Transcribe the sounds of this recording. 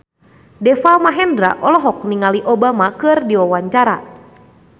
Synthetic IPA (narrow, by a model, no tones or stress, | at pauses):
dɛfamaɦɛndɾa̰ʔɔlɔɦɔk̚niŋaliʔɔbamakɨrdiawaɲt͡ʃaɾa̰